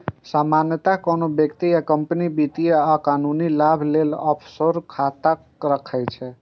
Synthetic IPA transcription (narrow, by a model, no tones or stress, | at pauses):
samanjət̪akonobjəkt̪ijakəmpənibit̪ijeakanunilabʱlelɔ̰pʰsoɾkʰat̪əkɾəkʰəjt͡ʃʰɛ